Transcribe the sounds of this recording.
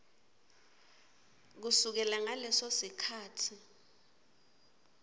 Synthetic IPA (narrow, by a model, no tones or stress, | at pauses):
k̬usuk̬ɛlaŋalɛsosikʰaːtʰi